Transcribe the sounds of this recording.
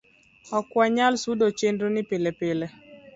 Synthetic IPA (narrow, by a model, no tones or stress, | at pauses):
ɔkwaɲalsudot͡ʃendonɪpɪlepɪle